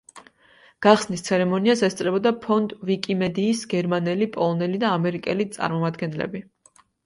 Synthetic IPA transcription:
ɡ̥aχsnist̪sʰɛɾɛmɔniasɛst̪sʼɾɛbɔd̪apʰɔnd̪ʼvikʼimɛd̪iːsɡɛɾmanɛlipʼɔlˠɔnɛlid̪aːmɛɾikʼɛlit̪sʼa̰ɾmɔmad̪ɡɛnlɛ̰bi

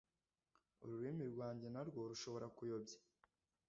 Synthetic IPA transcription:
ṵɾuɾimiɾɡwaːɲɟe̞naɾɡo̞ɾuʃo̞βo̞ɾakujo̞bɟḁ

